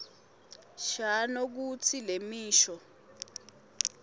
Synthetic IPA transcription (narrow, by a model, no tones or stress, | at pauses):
ʃanok̬ut͡sʰilemiːʃɔ